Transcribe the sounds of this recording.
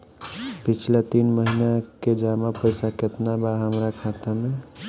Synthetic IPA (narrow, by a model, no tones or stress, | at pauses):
pit͡ʃʰlet̪inməɦinaked͡ʒamapəjsaket̪nabaɦəmɾakʰat̪ame